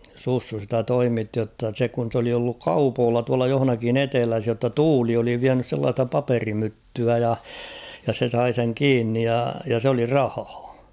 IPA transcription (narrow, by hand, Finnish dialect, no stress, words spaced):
susːu sitæ toimitːi jotːɑ se kun̞ s oli olːuk kɑupoːlːɑ tuɑlɑ johŏnɑkin etelæs jotːɑ tuːli oli ʋiænys selːɑːstɑ pɑperimytːyæ jɑ jɑ se sɑi seŋ kiːnːij jɑ jɑ s oli rɑhɑ̥ː